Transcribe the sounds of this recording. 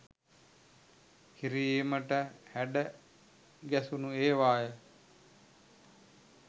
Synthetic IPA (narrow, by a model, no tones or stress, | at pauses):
kiɾiməʈəhæɖə | ɡæsunueːʋaːjə